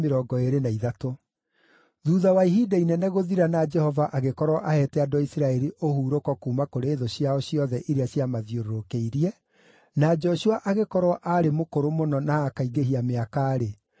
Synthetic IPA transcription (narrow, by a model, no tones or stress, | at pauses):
meɾɔːɡɔeɾenaiðato | ðuðawaiɦiːdainɛnɛɣoðiɾanad͡ʒɛhɔvaʔaɣekɔɾwɔʔahɛtɛadoaisiɾaɛɾiʔohuːɾokɔkuːmakoɾeːðoɕjaɔɕiɔðɛʔiɾeaɕjamaðjoɾoɾokeiɾiɛ | nad͡ʒɔɕuaʔaɣekɔɾwɔʔaɾemokoɾomonɔnaːkaiɡeɦiameakaːɾe